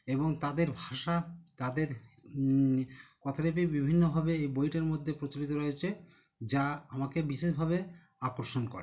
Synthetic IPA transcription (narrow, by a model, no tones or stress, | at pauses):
eboŋt̪ad̪eɾbʱaʃat̪ad̪eɾ | kɔt̪ʰaɾep̬ibibʱinːobʱabeejbojʈeɾmod̪ʱːepɾot͡ɕolit̪̬oɾoet͡ɕʰe | d͡ʑaamakebiʃeʃbʱabe | akoɾʃonko̰ɾe